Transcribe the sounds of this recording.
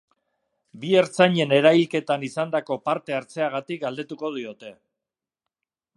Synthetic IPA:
bie̞ɾt͡saɲe̞ne̞ɾajlke̞t̪anisand̪ako̞paɾt̪e̞aɾt͡se̞aɣ̞at̪ik̚ɡald̪e̞t̪uko̞ðio̞t̪e̞

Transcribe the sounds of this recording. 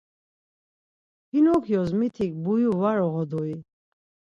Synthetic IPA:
hinɔkʰjɔzmit̪ʰik̚bujuvaɾɔʁɔd̪ɔi

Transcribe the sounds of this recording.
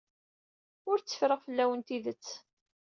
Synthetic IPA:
ʊɾt͡sːə̥fɾəʁfəlːæwənt̪iðət͡sː

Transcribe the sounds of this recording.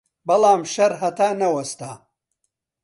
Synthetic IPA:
bɐlaːmʃɐɾɦɐt̪aːnɐwɐst̪aː

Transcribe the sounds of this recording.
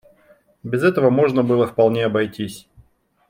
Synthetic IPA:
bʲɪzɛt̪əvəmo̞ʐnəbɨlˠəfpɐlˠnʲeɐbɐjtʲisʲ

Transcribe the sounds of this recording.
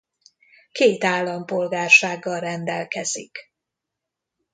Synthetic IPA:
keːt̪aːlːɒmpo̞lɡaːrʃaːɡːɒlrɛnd̪ɛlkɛz̥ḭk

